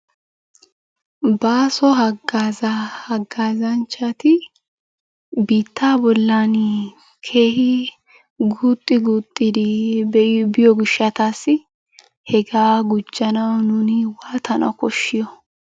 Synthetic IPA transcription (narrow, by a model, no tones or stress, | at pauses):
baːsɔɦɐɡaːzɐhɐɡːaːzɐnt͡ʃːɐt̪ɪ | biːt̪ːaːbɔlːaːn | kʰe̞ːhɪ | ɡuːt̪ʼːɪɡuːt̪ʼːɪd̪ɪbɛʔɪbɪjɔɡɪʃɐt̪aːsːɪ | hɛɡaːɡʊd͡ʒːɐnɐwnunɪwaːt̪ʰɐnɐ̰wkɔʃːɪjɔ